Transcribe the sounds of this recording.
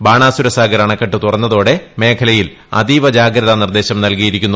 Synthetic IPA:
baːɳaːsuɾɐsaːɡɐɾɐːɳɐkːɐʈːɨt̪urɐnːɐðo̞ːɽe̞me̞ːkʰɐlɐjil | ɐ̰d̪iʋɐd͡ʑaːɡɾɐðɐnird̪e̞ːɕɐmnɐlkijiɾikʲːunːu

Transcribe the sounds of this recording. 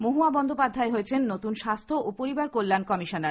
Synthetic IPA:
moɦuabɔnd̪ʱopad̪ʱːaeɦojet͡ɕʰenːot̪unʃast̪ʰoʔopoɾibaɾkolːankɔmiʃonaɾ

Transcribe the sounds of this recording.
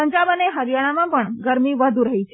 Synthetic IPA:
əɲd͡ʒabəneɦəɾjaɭ̃amãpəɳɡəɾmiʋəd̪ʱuɾəɦit͡ʃʰ

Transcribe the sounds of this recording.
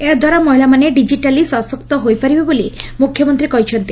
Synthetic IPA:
ed̪ʱwaɾamɔɦilamaneɖid͡ʒiʈalisɔsɔkt̪ɔɦojpaɾibebolimukʰjɔmɔnt̪ɾikɔɦit͡ʃʰɔnt̪i

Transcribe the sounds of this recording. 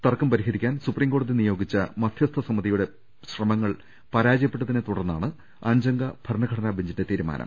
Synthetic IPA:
t̪ɐrkːɐmpɐɾiɦɐɾikʲːaːnsupriːmŋɡo̞ːɽɐðinijo̞ːɡit͡ɕːɐmɐd̪ʰʱjɐst̪ʰɐsɐmɐðijuɽe̞ | ɕrɐmɐŋːɐɭ | pɐɾaːd͡ʑɐjɐpːe̞ʈːɐðinet̪uɽɐrnːa̰ːɳɨ | ɐɲd͡ʑɐŋɡɐb̥ʱɐrɳɐɡʱɐɽɐnaːbʱiɲd͡ʑinde̞t̪iːɾuma̰ːnʔɐ̰m

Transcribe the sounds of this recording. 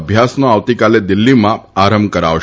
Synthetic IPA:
bʱjasnoaʋt̪ikaled̪ilːimãpaɾəmbkəɾa̰ʋ

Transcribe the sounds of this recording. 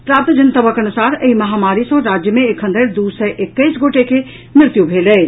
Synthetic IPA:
pɾaːp̚t̪d͡ʒɐnt̪əbəkɐnʊsaːɾɐimɐɦaːmaːɾisõɾaːd͡ʒjəmẽekʰə̃nd̪ʱəɾd̪uːsɛʔɪkːəisɡoːʈeke | mɾɪt̪jubʱeːleː

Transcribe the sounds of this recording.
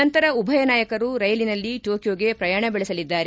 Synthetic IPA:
ɐnt̪ɐɾɐubʱɐjɐnaːjɐkɐɾuɾɐjɐlinɐlːiʈo̞ːkjoːɡe̞pɾɐjaːɳɐbɛɭɛsɐlid̪ːaːɾe

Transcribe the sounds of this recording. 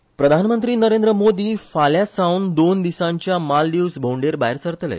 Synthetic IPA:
pɾəd̪ʱanmənt̪ɾiːnəɾẽnd̪ɾəmod̪iːfaljasawnd̪ond̪isãɲt͡ɕjamald̪iwsbʱoɳɖeɾbaeɾsəɾt̪əlɛ̰

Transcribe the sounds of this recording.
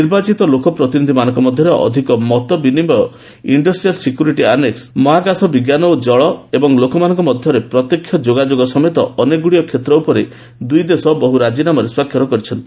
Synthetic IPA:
iɾbat͡ʃit̪ɔlokɔpɾɔt̪inid̪ʱimanɔŋkɔmɔd̪ʱjɔɾeʔɔ̰d̪ʱikɔmɔt̪ɔbinimɔjɔ | iɳɖɔsʈɾijɔlsekjuɾiʈianeksmɔɦaɡasɔbiɡjanɔd͡ʒɔɭɔebɔŋlokɔmanɔ̃ŋkɔmɔd̪ʱjɔɾepɾɔt̪jekʰːjɔd͡ʒoɡad͡ʒoɡɔsɔmet̪ɔɔneɡuɽijɔkʰet̪ɾɔupɔɾe | d̪ujd̪esɔbɔɦuɾad͡ʒinamɔɾeswakʰjɔɾɔkɔɾit͡ʃʰɔnt̪i̥

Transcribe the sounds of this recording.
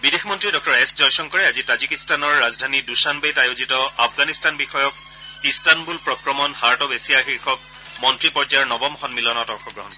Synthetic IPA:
bidexʰmɔntɹidɔk̚ʰtɔɹeszɔjsɔŋkɔɹɛazitazikistanɔɹːazdʱanidusanbejtajozitɔafʰɡanistanbixɔjɔk̚ | istanbulpɹɔkɹɔmɔnhaɹtɔbesijaxiɹxɔk̚ | mɔntɹipɔɹd͡ʒaaɹnɔbɔmxɔnmilɔnɔtɔxʰɔɡɹɔɦɔnɔ

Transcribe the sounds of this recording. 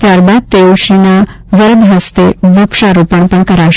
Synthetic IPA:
t̪jaɾbad̪̚t̪euɕina | ʋəɾd̪ʱɦəst̪eɡɾukʂaɾopəɳpəɳkəɾaɕ

